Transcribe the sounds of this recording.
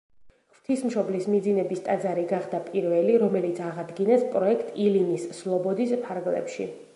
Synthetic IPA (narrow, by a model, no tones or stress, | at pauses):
χv̥t̪ʰismʃɔblismid̪zinɛbist̪ʼad̪zaɾiɡaχd̪apʼiɾvɛliɾɔmɛlit̪sʰaʁad̪ɡinɛspʼɾɔɛkʰt̪ʼilinisːlˠɔbɔd̪ispʰaɾɡlɛ̰pʃḭ